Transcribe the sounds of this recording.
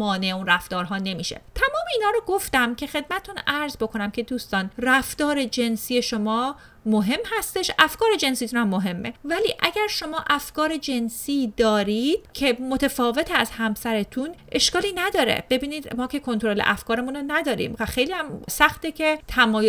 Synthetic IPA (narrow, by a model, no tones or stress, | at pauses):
mɒːneeunræft̪ɒːɾɦɒːne̞miːʃḛt̪ʰæmɒːmeiːnhɒːɾoɡo̞ft̪æmcʰe̞xe̞d̪̚mæt̪et̪ʰunæɾzbo̞kʰo̞næmcʲʰe̞d̪uːst̪ɒːnræft̪ɒːɾe̞d͡ʒe̞nsiːje̞ʃo̞mɒː | moɦe̞mhæst̪e̞ʃʔæfkɒːɾe̞d͡ʒe̞nsiːt̪ʰunæmːoɦe̞mːe̞væliːʔæɟæɾʃo̞mɒːʔæfkɒːɾe̞d͡ʒe̞nsiːd̪ɒːɾid̪̥̚cʰe̞mot̪ʰefɒːve̞t̪ʰeæzhæmsæɾe̞t̪ʰunʔe̞ʃkɒːliːnæd̪ɒːɾḛb̥e̞biːniːd̪mɒːcʰe̞kʰont̪ʰoɾo̞lḛʔæfkʰɒːɾemunonæd̪ɒːɾḭːmvæxe̞jliːæmsæxt̪ecʰe̞t̪ʰæmɒːj